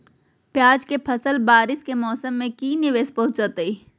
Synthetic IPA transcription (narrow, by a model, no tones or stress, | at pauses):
pjaːd͡ʒkepʰɐsəlbaːɾɪskemɔːsəmːẽkiːnɪʋeːspɐɦʊ̃t͡ʃaːt̪eiː